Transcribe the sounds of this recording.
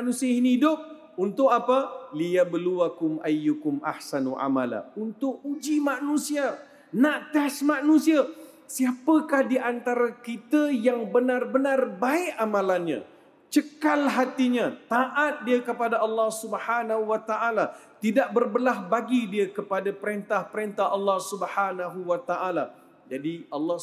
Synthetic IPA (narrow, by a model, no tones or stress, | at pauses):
nũsiaɦinihidʊp̚ | unt̪ʊʔapəlijabluakʊmʔajːukʊmʔa̰hsanuʔa̰ma̰la̰unt̪ʊkud͡ʒimanũsia | naʔt̪ɛsmanũsia | siapəkahdiʔant̪aɾakit̪əjaŋbənãrbənarbaɪʔamãlanɲã̰ | t͡ʃəkalɦat̪iɲãt̪aʔat̪̚diəkəpadaʔɑlːɑhsubəhanaɦuwat̪aʔala | t̪idaʔ̚bərbəlaɦbaɡidiəkəpadapəɾent̪ahpəɾent̪ahɑlːɑhsubəhanaɦuwat̪aʔala | d͡ʒadiɑlːɑ